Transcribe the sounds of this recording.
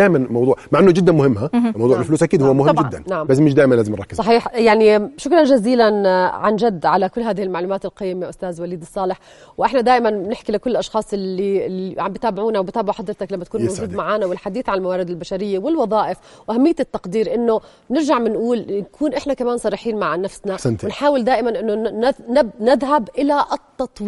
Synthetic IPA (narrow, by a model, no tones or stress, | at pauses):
aːʔmanmɑwd̪ˤuːʕmaʕʔɪnːʊd͡ʒɪd̪ːanmʊhɪmːhamɑwd̪ˤuːʕɪlfluːsʔakiːd̪hʊwːmʊhɪmːɪd̪ːa̰nnaʕambasmɪʃd̪aːʔɪmanlaːzɪmnɾˤɑkːɪzsˤɑħiːħjaʕniʃʊkɾˤɑnʒaziːlanʕand͡ʒad̪ːʕalakʊlːɦaːðɪhɪlmaʕluːmaːt̪ɪlqɑjːmeʔʊst̪aːzwaliːd̪ɨsˤːɑːlɪħ | wʔɪħnad̪aːʔɪmanbnɪħkilɪkʊlːɪlʔɑʃxɑːsˤɪːiʕa̰mbɪt̪aːbɪʕuːnawbɪt̪aːbɪʕħɑd̪ɾt̪ɑklamːat̪̚kuːnmawuːd̪maʕaːnawɪlħad̪iːθʕanɪlmawaːɾɪd̪ɪlbaʃaɾɪjːawɪlwɑðˤɑːʔɪf | wʔahamːɪjːt̪ɪt̪ːɑqd̪iːɾʔɪnːo | nɪɾʒaʕmɪnʔuːlnkʰuːnʔɪħnakamaːnsˤɑrˤːɪħiːnmaʕnafsnanwɪnħaːwɪld̪aːʔɪmanʔɪnːonɪbnɪðɦabʔɪlaʔt̪ːɑt̪ˤwiː